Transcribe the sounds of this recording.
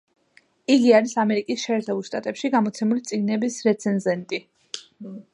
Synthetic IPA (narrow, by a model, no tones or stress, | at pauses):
iɡiaɾisamɛɾikʼisʃɛːɾt̪ʰɛbulˠʃt̪ʼat̪ʼɛpʃiɡamɔt̪sʰɛmulit̪sʼiɡnɛbisɾɛt̪sʰɛnzɛnt̪ʼi